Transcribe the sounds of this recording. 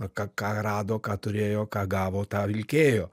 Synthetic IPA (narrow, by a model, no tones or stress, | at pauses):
kɐkɑːɾɑːd̪oːkɑːt̪ʊɾʲeːjoːkɑːɡɑːʋoːt̪ɑːʋʲɪlʲkʲeːjoː